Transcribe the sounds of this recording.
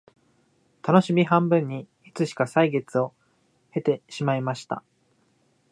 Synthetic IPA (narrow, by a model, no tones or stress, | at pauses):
t̪ano̞ɕimʲiɦãmbɯ̟̃ɲ̟ːi | it͡sɨɕi̥kasaiɡe̞t͡sɨo̞ | he̞t̪e̞ɕimaimaɕi̥t̪a̰